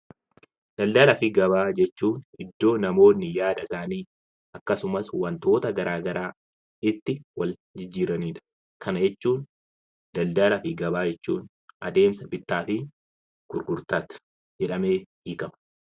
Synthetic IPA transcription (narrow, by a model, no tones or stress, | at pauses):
d̪̥ɐld̪ɐlɐfɪɡɐbaːd͡ʒɛt͡ʃːuːnɪd̪ːo̞ːnɐmo̞ːnːɪjaːdɐsaːniː | ʔɐkːɐsʊmɐswɐnt̪o̞ːt̪ɐɡɐɾaːɡɐɾaː | ɪt̪ːɪwɐl | d͡ʒɪd͡ʒːiːɾɐniːᶑɐ̥ | kʰɐnɐd͡ʒɛt͡ʃːuːn | d̪ɐld̪ɐlɐfɪɡɐbaːd͡ʒɛt͡ʃːuːn | ʔɐ̰d̪e̞ːmsɐbɪt̪ːaːfɪ | kʊɾɡʊɾt̪aːt̪ʊ̥ | d͡ʒɛᶑɐme̞ːhiːkɐmɐ̥